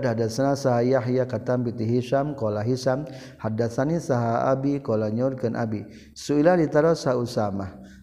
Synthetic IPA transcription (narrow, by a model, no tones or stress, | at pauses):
dɦadasanasaɦajaɦjakat̪ambit̪iɦiʃamkolaɦisam | hadasanisaɦaa̰bikolaɲɔrkanʔa̰bi | suilalit̪aɾasaɦusamah